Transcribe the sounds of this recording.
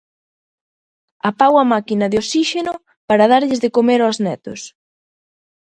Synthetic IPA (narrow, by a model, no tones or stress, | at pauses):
apawɐmakinɐðeosiʃenʊ | paɾɐðaɾʎɪzðɪkomeɾoznɛt̪ʊs